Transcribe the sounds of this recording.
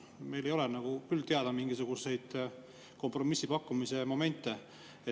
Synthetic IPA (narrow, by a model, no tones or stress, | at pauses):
me̞jlejo̞lenɑɡ̥ukylt̪eɑd̪̥ɑmiŋɡ̥isuɡ̥use̞jd̪̥ | ko̞mpro̞misːipɑkːumise̞mo̞me̞nʲt̪ːˑe̞ | e